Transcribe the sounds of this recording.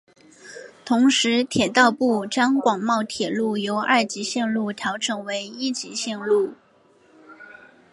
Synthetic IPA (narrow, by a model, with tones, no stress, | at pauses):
t̪ʰʊ˧˥ŋʂɻ̩˧˥t̪ʰjɛ˨˩t̪ɑ˥˧ʊpu˥˩ʈ͡ʂɑ˥ŋkwɑ˨˩ŋmɑ˥˩ʊt̪ʰjɛ˨˩lu˥˩jo˧˥ʊʔa˥˩t͡ɕi˧˥ɕjɛ˥˧nlu˥˩t̪ʰjɑ˧˥ʊʈ͡ʂʰɤ˨˥ŋwe˧˥ɪi˥t͡ɕi˧˥ɕjɛ˥˧nlu˥˩